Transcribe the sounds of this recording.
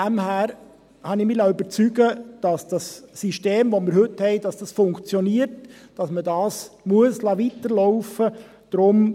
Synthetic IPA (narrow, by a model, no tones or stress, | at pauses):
æmhæːɾ | hɑnɪmiːlayb̥əɾt͡syɡəd̥ɑsd̥ɑsːiʃteːmvomɪɾhɵthɛɪd̥ɑsd̥ɑsfʊŋkt͡sjɔniːəɾtd̥ɑsmədɑːsmuəslɑːʋitəɾlɔʊfə | d̥ɾʊm